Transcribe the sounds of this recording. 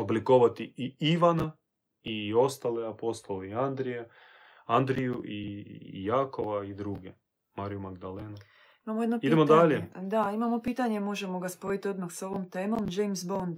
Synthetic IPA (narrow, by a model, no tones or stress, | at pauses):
oblikoʋat̪iiiʋana | io̞st̪aleapo̞st̪oleiand̪ɾije | and̪ɾijuʔijaːkoʋaid̪ɾuːɡe | maɾijumaɡd̪aleːnu | imamojed̪nopid̪emod̪aʎed̪aimamo̞piːt̪aɲemo̞ʒemo̞ɡaspo̞it̪io̞d̪maxso̞ʋomt̪e̞ːmo̞md͡ʒejmsbond̪